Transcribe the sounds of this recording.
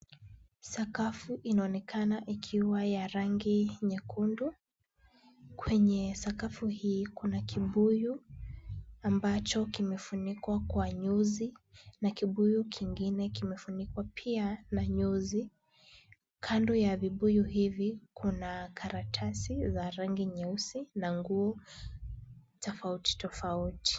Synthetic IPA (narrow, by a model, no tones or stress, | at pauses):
sakafuʔinaɔnɛkʰanaʔikʰiwajaɾaŋɡiɲɛkʰundu | kwɛɲɛsakafuhiːkunakiɓuju | ambat͡ʃɔkimɛfunikwakwaɲuzinakiɓujukʰiŋɡinɛkimɛfunikwapʰianaɲɔzi | kʰandɔjaviɓujuɦivikʰunakʰaɾatʰasizaɾaŋɡiɲɛusinaŋɡuɔ | tɔfauti̥tɔfauti̥